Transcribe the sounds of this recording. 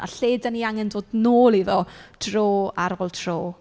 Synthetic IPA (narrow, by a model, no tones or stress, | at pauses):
a̰ɬeːdaniaŋɛndoːdnoːlˠiðɔd̥roːaɾolˠtʰroː